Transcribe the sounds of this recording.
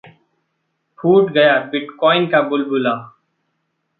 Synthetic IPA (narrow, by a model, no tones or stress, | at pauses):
pʰuːʈɡəjaːbɪʈkɔːɪnkaːbʊlbʊlaː